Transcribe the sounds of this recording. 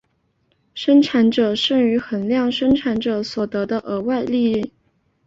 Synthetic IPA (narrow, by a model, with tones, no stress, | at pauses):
ʂə˥ŋʈ͡ʂʰa˧˥nʈ͡ʂɤ˨˩ʂə˥˩ŋy˧˥xə˨˩nljɑ˥˩ŋʂə˥ŋʈ͡ʂʰa˧˥nʈ͡ʂɤ˨˩swɔ˨˩t̪ɤ˧˥d̪ə˧ʔə˧˥wa˥˧ɪli˥˧˥